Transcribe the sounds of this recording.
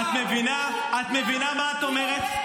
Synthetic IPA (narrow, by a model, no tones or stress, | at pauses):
t̪mevina | at̪mevinamaːt̪omeʁet̪